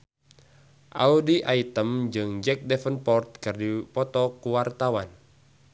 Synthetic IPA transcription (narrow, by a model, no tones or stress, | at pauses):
ʔaudiʔait̪əmd͡ʒɨŋd͡ʒɛk̚dɛfənpɔrt̪̚kɨrdipɔt̪ɔkuwart̪awan